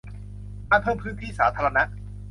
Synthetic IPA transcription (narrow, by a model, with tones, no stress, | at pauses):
ʔaː˧˩pʰɤː˥˩mpʰɯː˦˥nt̪ʰiː˥˩saː˩˦t̪ʰaː˧a˧na˦˥ʔ